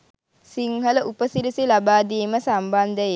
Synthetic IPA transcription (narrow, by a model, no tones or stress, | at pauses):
siŋɦələʔupəsiɾisilabaːd̪iːməsamband̪əje